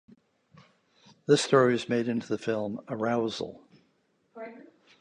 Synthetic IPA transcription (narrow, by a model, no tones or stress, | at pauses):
ðɪstɔɹiɨzmeɪɾɪ̃ntʰʉðɨfɪlˠməɹaʊzl̩ˠ